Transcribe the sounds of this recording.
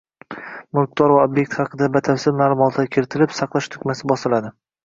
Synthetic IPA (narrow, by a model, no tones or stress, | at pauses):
mʊɾk̚t̪ʰɒɾvaobje̞k̚ʲt̪χɑqʰɨd̪abat̪ʰafsɪzmaːlˠʊmɒt̪ʰkʲʰeɾɪt̪ʰɪlɪpsɑqlˠaʃt̪ʰʊ̥kʲmasɪbɒsɪlad̪ɪ